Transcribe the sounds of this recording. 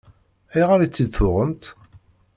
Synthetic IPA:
æjʁaɾit͡sːid̪θʊʁəmt̪

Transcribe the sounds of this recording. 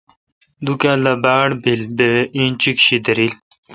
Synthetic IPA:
d̪ukaːlabaːɽbilbeĩnt͡ɕikɕid̪əɾil

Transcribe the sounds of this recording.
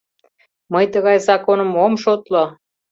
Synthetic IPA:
mɤjt̪əɣɑjzɑkonə̆momʃot̪lo

